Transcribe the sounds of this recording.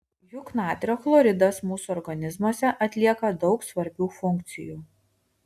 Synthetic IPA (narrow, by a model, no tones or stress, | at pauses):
jʊknɑːt̪ʲɾʲoːflˠɔɾʲɪd̪ɐsmuːsuɔɾɡɐnʲɪzmuɔsʲɛʔɐt̪ʲlʲiɛkɐd̪ɒʊksʋɐɾʲbʲuːfʊŋʲkt̪sʲɪ̰juː